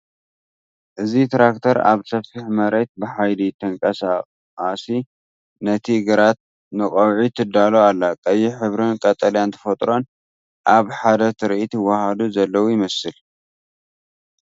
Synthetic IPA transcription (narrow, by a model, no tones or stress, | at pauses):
ʔɨzit̪ɾakt̪ʰɐɾa̰βsɐfiħmɐɾet̪̚bɨħajlit̪ʰɐŋkʼɐsa | asi | nɐt̪ʰiɡɐɾat̪̚ | nɨkʼɐwʕit̪ʰɨd̪ːaloalːakʼɐjːiħɨβɾɨnkʼɐt̪ʼɐljant̪ʰɐ̥fɐt̪ʼɾo̞n | ʔaβħad̪ɐt̪ʰɨɾʔit̪ɨwːɐhad̪uzɐlːɐwujɪmɐsɨl